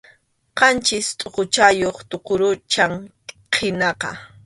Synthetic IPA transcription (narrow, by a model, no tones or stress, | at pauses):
qɑnt͡ʃɪst̪ʼoqot͡ʃajoχt̪oqoɾʊt͡ʃaŋ | qʰɪnɑqɑ̰